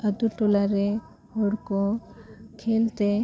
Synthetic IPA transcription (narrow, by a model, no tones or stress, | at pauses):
əd̪uʈolaɾe | hoɽko | kʰelt̪e